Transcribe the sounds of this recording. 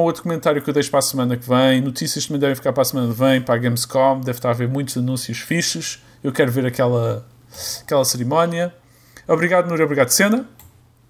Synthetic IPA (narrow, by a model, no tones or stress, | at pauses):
ot̪ɾukumẽnt̪aɾjukewðɐjʃpɾasmɐnɐkvɐ̃j̃nut̪isiɐʃt̪ɐmɐ̃j̃d̪ɛvẽfikaɾpɾasmɐnɐkvɐ̃j̃pɾaɣẽmzkɔmd̪ɛvʃt̪aɾaveɾmũj̃t̪uzɐnũsjuʃfiʃɨʃ | ewkɛɾuveɾɐkɛlˠɐ | ɐkɛlˠɐsɨɾimɔniɐ | ɔβɾiɣaðunuɾiɔβɾiɣaðsẽnɐ